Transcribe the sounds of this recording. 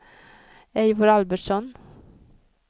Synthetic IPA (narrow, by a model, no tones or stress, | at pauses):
eɪʋʊɾɑlbəʈsɔn